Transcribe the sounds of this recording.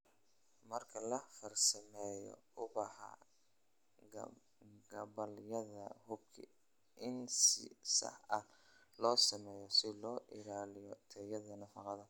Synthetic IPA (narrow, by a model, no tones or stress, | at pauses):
mɐrkʰɐlɐfɐrsɐmɛːjɔ̰ʊbɑħɑ̰ | ɡɐbɐljɐðɐ̰hʊbkʰɪ̰ | ʔɪnsɪsɐ̰ħɐ | lɔːsɐmɛːjɔsɪlɔːʔɪlaːlɪjɔt̪ʰɛjɐðɐnɐfɑqɑðɐ